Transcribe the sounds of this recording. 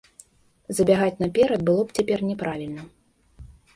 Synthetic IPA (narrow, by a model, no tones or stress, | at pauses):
zɐbʲaɣat͡sʲnɐpʲɛɾɐd̪bɨlˠɔpt͡sʲapʲɛrnʲɛpɾavʲilʲnɐ